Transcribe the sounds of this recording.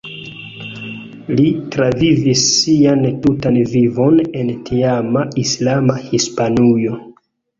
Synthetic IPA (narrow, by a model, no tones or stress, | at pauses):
litɾavivisːiantutanvivo̞ne̞ntiamaislamahispanujo̞